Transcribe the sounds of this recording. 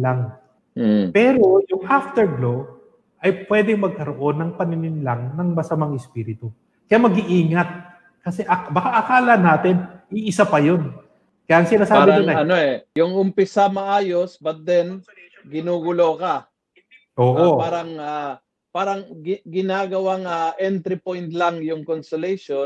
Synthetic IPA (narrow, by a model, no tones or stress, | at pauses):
laŋ | pɛːɾo̞jʊŋʔaft̪ɛɹɡlo | ʔɐjpwɛːd̪ɪŋmɐɡ̚kɐɾoʔo̞nːɐŋpɐnɪnɪnlaŋnɐŋmɐsɐmaŋɛspiːɾɪt̪u | kɐjamɐɡiʔiːŋɐt̪̚ | kɐsɛʔɐbɐkaʔɐkaːlɐnaːt̪ɛnʔiʔɪsapɐjo̞n | kɐjaʔːŋsɪnaːsaːɾbɪonɐnoɛjʊŋʊmpɪsamɐʔaːjo̞sbɐt̪̚d̪ɛn | ɡɪnuːɡʊlo̞kɐ | ʔoːʔopaːɾɐŋa | paːɾɐŋɡɪnaːɡɐwaŋaʔɛnt̪ɾɪpojnt̪̚lɐŋjʊŋkonsʊlɛjʃo